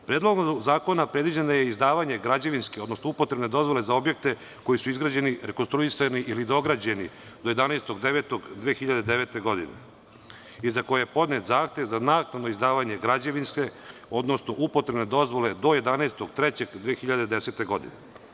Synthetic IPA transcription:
pɾed̪lˠoɡozaːko̞napɾed̪ʋid͡ʑenajeizd̪aːʋaɲe̞ɡɾad͡ʑeʋinskeo̞d̪nosnoupo̞t̪ɾe̞bned̪o̞zʋo̞le̞zao̞bjek̚t̪e̞ | ko̞jisuizɡɾaːd͡ʑe̞niɾekonst̪ɾuisaniʔilid̪o̞ɡɾad͡ʑe̞ni | d̪oje̞d̪aneːst̪o̞ɡd̪eʋet̪oɡd̪ʋeːxiʎad̪ed̪eʋeːt̪e̞ɡo̞d̪inḛ | izako̞jejepo̞d̪net̪zaːxt̪je̞ʋzanaːknano̞izd̪aːʋaɲe̞ɡɾad͡ʑeʋinske̞o̞d̪nosnoʔupot̪ɾebned̪o̞zʋo̞le̞d̪o̞je̞d̪aneːst̪oɡt̪ɾet͡ɕe̞ɡd̪ʋeːxiʎad̪ed̪eset̪e̞ɡo̞d̪ḭne

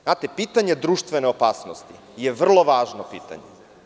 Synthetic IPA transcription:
znaːt̪epiːt̪aɲe̞d̪ɾuːʃt̪ʋe̞neopaːsnost̪i | jeʋr̩lˠo̞ʋaːʒnopḭːt̪a̰ɲḛ

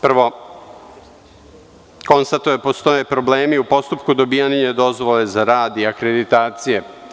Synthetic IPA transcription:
pr̩ʋo̞ | ko̞nst̪at̪uje̞po̞st̪o̞jepɾo̞bleːmiupo̞st̪upkud̪o̞bijaɲiɲed̪o̞zʋo̞le̞zaɾaːd̪iakɾe̞d̪it̪aːt̪sije̞

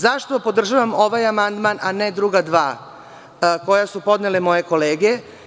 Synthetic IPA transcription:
zaʃt̪o̞po̞d̪r̩ʒaʋamo̞ʋajamand̪mananed̪ɾuɡad̪ʋaː | ko̞jasupo̞d̪nelemo̞je̞ko̞leːɡe

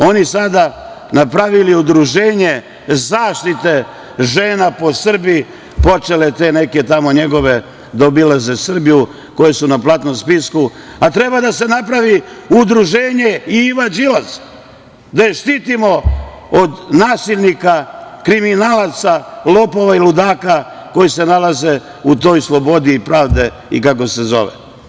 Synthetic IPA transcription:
o̞nisad̪a | napɾaʋiliud̪ɾuʒe̞ːɲe̞ | zaːʃt̪it̪e̞ | ʒe̞ːnapo̞sr̩bi | po̞t͡ʃe̞le̞t̪e̞ne̞ke̞t̪amo̞ɲe̞ɡo̞ʋe̞ | d̪aobilaze̞sr̩biju | ko̞jesunaplˠat̪no̞mspiskuat̪ɾe̞bad̪ase̞napɾaʋiud̪ɾuʒeːɲe̞iiʋad͡ʒilaz | d̪ajeʃt̪iːt̪imo̞ | od̪naːsiʎʲnikakɾiminaːlˠat̪salopo̞ʋailud̪aːka | ko̞jise̞nalaze̞ | ut̪o̞ːjslˠo̞bo̞d̪iːpɾaːʋd̪e̞ | ḭkako̞se̞zo̞̰ʋḛ

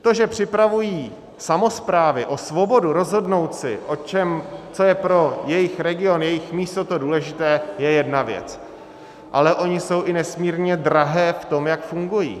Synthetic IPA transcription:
t̪o̞ʒɛpr̝̥ɪpɾavujiː | samo̞spɾaːvɪʔo̞svo̞bo̞duɾo̞zɦo̞dno̞wt̪sɪʔo̞t͡ʃɛmt͡so̞jɛpɾo̞jɛjɪxɾɛɡɪo̞njɛjɪxmiːst̪o̞t̪o̞duːlɛʒɪt̪ɛːjɛjɛdnavjɛ̰t͡s | ʔa̰lɛʔo̞ɲɪso̞wʔɪnɛsmiːɾɲɛd̪ɾaɦɛːft̪o̞mjakfuŋɡujḭː

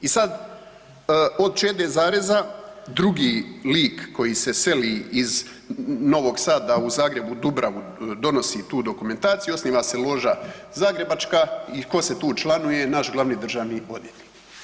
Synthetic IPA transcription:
isad̪ | o̞d̪̚t͡ʃeːd̪eːzaːɾezad̪ɾuɡiːliːkːo̞jiːse̞se̞liːiz | no̞ʋo̞ɡsaːd̪auzaːɡɾe̞bud̪ubɾʔaʋu | d̪o̞no̞sit̪uːd̪o̞kume̞nt̪aːt̪sijuo̞sniːʋase̞lˠo̞ːʒazaːɡɾe̞bat͡ʃkaiko̞se̞t̪uːt͡ʃlˠanuje̞naʃɡlˠaʋniːd̪r̩ʒaʋnio̞̰d̪jet̪i̥

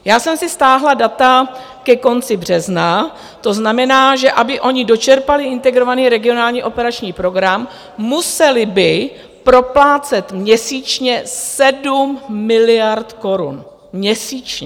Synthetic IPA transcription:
jaːsɛmsɪst̪aːɦladat̪a | kɛko̞nt͡sɪbr̝ɛzna | t̪o̞znamɛnaːʒɛʔabɪʔo̞ɲɪdo̞t͡ʃɛɾpalɪʔɪnt̪ɛɡɾo̞vaniːɾɛɡɪo̞naːlɲiːʔo̞pɛɾat͡ʃɲiːpɾo̞ɡɾamː | usɛlɪbɪ | pɾo̞plaːt͡sɛt̪mɲɛsiːt͡ʃɲɛsɛdumːɪlɪjaɾt̪ko̞ɾṵn | mɲɛsiːt͡ʃɲɛ

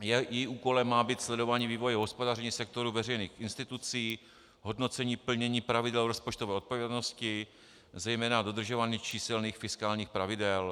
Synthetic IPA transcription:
jjɛjiʔuːko̞lɛmːaːbiːt̪slɛdo̞vaːɲiːviːvo̞jɛɦospo̞darɪɲiːsɛk̚t̪o̞ɾuvɛrɛjnḭːxʔɪnst̪ɪt̪ut͡siː | ɦo̞dno̞t͡sɛɲiːpl̩ɲɛɲiːpɾavɪdɛlvɾospo̞t͡ʃt̪ovɛːʔo̞t̪̚povjɛdno̞scɪ | zɛjmɛːnado̞d̪r̩ʒovaːɲiːt͡ʃiːsɛlniːxfɪskaːlɲiːxpɾavɪdɛl

